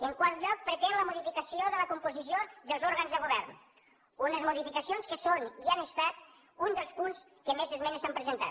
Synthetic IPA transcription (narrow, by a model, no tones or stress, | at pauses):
əŋkwaɾt̪ʎɔk̚pɾət̪enləmuðifikəsioðələkumpuzis̬ioðəlˠzoɾɣənzðəɣuβ̞ɛrn | unəzmuðifikəsionskəsonianəst̪at̪ | und̪əlˠspuns | kəmezəzmɛnsampɾəzənt̪a̰t